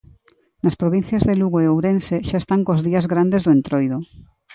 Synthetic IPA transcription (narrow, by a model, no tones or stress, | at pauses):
naspɾoβin̟θjazðeluɣoeowɾenseʃaest̪aŋkozðiazɣɾand̪ezðoent̪ɾojðo